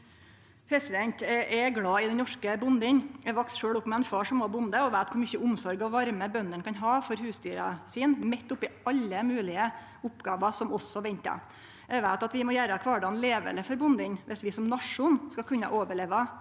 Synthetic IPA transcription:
pʰɾɛsɪd̪ɛnt̪ʔɛɡɽɑːɪd̪ɛnnɔʂkəbʊnd̪ɪŋɛʋɑksʂøːɽʊpːmɛɛnfɑːʂɔmoːbʊnd̪əɔʋæɪt̪kʰʊɾmyçəʊmsɔɾɡɔʋɑɾməbœnd̪əɳkʰɑnɦɑːfɔɾhʉːst̪yːɾɑ̰siːnmɛt̪ːʊpːɪɑlːəmʉːlɪə | ʊpːɡɑːʋɑsɔmɔsɔʋɛɲt̪ɑ̰ | ʔɛʋæɪt̪ɑt̪ʋɪmɔjæːɾəkʰʋɑːɖɑːnleːʋə̰ləfɔɾbʊnd̪ɪɲʋʔɛsʋɪsɔmnɑʂːʊnskɑkʰʉnːɑ̰ʔoːʋəɭeːʋɑ

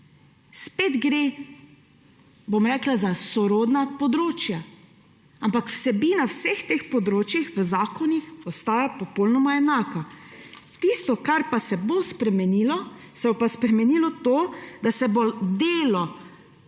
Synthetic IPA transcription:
speːd̪ɡɾe | bomɾɛːklazasɔɾoːd̪napɔd̪ɾoːt͡ʃja | ampakw̥sɛbiːnawsext̪eːxpɔd̪ɾoːt͡ʃjixʋəzaːkɔnixɔst̪aːjapɔpolnɔmaɛnaːka | t̪ist̪ɔkaɾpasɛbospɾɛmɛniːlɔsɛbopaspɾɛmɛniːlɔt̪oːd̪asɛbod̪eːlɔ

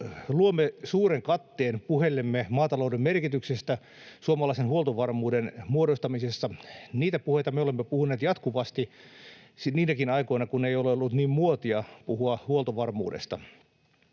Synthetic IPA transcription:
luomːesuːɾeŋkɑt̪ːeːnpuhelːemːemɑːt̪ɑloudemmerkit̪yksest̪æ | suomɑlɑisenhuolt̪oʋɑrmuːdenmuodost̪ɑmisesːɑniːt̪æpuhejt̪ɑmeolemːepuhuneːt̪jɑt̪kuʋɑst̪i | siniːnækinɑikoinɑkuneijoleolːut̪niːmmuot̪iɑpuhuɑhuolt̪oʋɑrmṵːdḛst̪ɑ̰

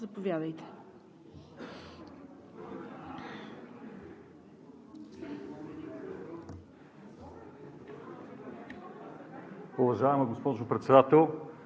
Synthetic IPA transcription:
zɐpʊvjad̪ɐjt̪ɛ̥ | ʊvɐʒaɛmɐɡʊspɔʒʊpɾɛt̪sɛd̪at̪ɛlˠ

